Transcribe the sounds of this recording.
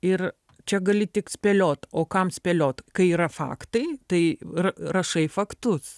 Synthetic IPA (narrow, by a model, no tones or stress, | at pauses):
ɪr | t͡ʃʲɛɡɐlʲɪt̪ʲɪksʲpʲɛlʲoːt̪oːkɐmsʲpʲɛlʲoːt̪kɐɪiːɾɐfɑ̰ːkt̪ɐɪt̪ɐɪrɐɾɐʃɐɪfɐkt̪ʊs